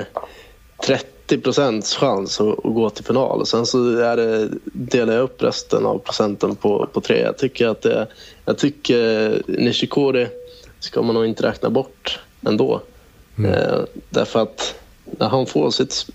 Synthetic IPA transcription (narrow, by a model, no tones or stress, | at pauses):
t̪ʰɾɛt̪ːɪpʰɾʊsɛnt̪sɧansɔɔɡoːt̪ʰɪlfɪnɑ̰ːlʔɔsɛnsɔæɖɛd̪eːlaɾjaɵpːɾʔɛ̰st̪ə̰na̰vpʰɾʊsɛnt̪ənpʰɔ̰pʰɔt̪ʰɾḛːja̰t̪ʰʏkːəjɾat̪̚d̪ɛjɑːɡt̪ʰʏkːəɾnɪɕɪkʰuːɾɪska̰manːuːɡɪnt̪əɾɛːkna̰bɔʈːɛnd̪o̰ː | d̪æ̰ɾfœɾat̪ | næ̰ɾɦanfoːɾʂɪt̪